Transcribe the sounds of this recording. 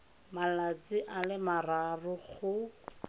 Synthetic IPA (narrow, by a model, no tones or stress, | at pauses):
malat͡siʔalɪmararʊχʊ